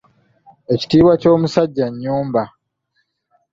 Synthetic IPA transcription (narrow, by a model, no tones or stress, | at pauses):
e̞ci̥tiːβwaco̞ːmusaɟːaɲːuːmba